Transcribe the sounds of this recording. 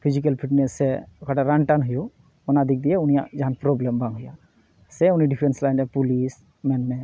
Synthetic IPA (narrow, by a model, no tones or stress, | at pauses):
pʰid͡ʒik̬elpʰiʈnɛsɛɔkʰaʈaɾaɳʈanɦuju | ɔnad̪ʱik̚d̪ijɛunija̰ʔd͡ʒaɦanpɾɔblembaŋɦuja | sɛuniɖipʰɾɛnslajnɛpulis | mɛnmɛ